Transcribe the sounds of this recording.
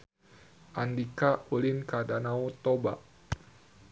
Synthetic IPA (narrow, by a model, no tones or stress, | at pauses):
ʔandikaulinkadanaut̪ɔba̰ʔ